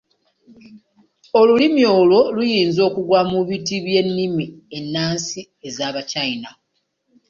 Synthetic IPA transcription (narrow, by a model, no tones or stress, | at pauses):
o̞lulimjo̞ːlwo̞lujiːnzo̞ːkuɡwaːmuβitiβje̞nːimie̞nːaːnsi | e̞zaːβacaina